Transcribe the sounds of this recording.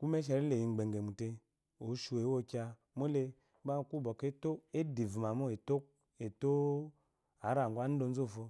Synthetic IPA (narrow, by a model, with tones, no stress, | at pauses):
ku˦me˦ʃ̬ɛ˨ɾe˦le˨ji˨ɡ͡be˨ŋ˨ɡe˨mu˨te˧ | o˨˦ʃu˨e˨˦wo˦kʲa˧ | mo˦le˧˦ | a˦˨ku˦˨bɔ˨ke˦to˦e˦di˨vu˨m˨a˨mo˦e˨to˦k̚ | e˨to˦ | a˨˦ɾa˨ŋ˨ɡʷa˦n̩˦do˧˦n̩˦zo˦˨fo˧